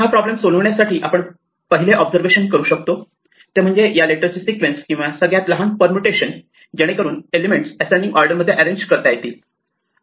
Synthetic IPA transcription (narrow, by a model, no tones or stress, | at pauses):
ɦapɾɔblemsoləʋɳjasaʈʰiːʔapəɳ | pəɦileʔɔbd͡zəɾʋeɕənkəɾuːɕək̚t̪o | t̪em̤əɳd͡zejaleʈəɾt͡ɕisikʋenskĩʋasəɡɭjat̪ləɦanpəɾmuʈeɕən | d͡ʑaɽ̃ekəɾuːnelemeɳʈsæsãɳɖiŋɡɔɾɖəɾməd̪ʱːjeʔæɾeɲd͡ʑkəɾt̪ajet̪iː